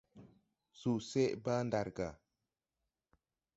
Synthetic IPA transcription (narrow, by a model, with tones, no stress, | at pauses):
su˨se˦ʔba˦nda˨ɾɡa˨